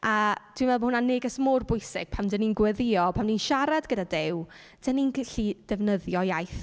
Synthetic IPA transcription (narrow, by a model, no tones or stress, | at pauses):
ʔad̥winvɛlˠbməhʊnanɪɡəsmʊrbʊjsɪɡ̥̚pʰamdəninɡwɛðɪɔpʰamninʃaɾadɡədadɪw | d̥əninɬid̥ɛvnəðjɔjajθ